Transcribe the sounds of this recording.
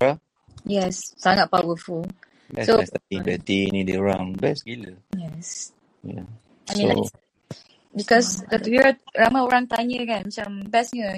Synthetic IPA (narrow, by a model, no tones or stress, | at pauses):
ɹa | jɛssaŋat̪̚pawəful | bɛsost̪aĩŋbɛt̪inidəɹãŋbɛsɡiləjɛs | ja̰ | ajmĩo̰ | bikɔsdət̪wiɹaɹamaoɾãŋt̪aɲəkãnmat͡ʃambɛsɲə